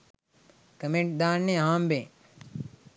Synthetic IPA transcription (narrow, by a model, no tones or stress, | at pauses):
kəmẽɳʈ̚d̪aːɾnẽːɦãːmbẽː